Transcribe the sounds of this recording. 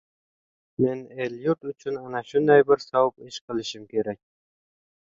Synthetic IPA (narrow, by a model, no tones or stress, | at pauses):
meneljuɾt̪ʊt͡ʃʰynɑnɑʃʊnd̪ɑjbɪɾsɑwpɪʃqʰɨlˠɪʃɪmkʲʰeɾæk̚ʲ